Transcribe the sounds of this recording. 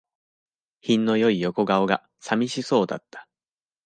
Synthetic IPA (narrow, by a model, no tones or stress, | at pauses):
çĩnːo̞jo̞ijo̞ko̞ɡao̞ɡa | samʲiɕiso̞ːd̪at̪ːḁ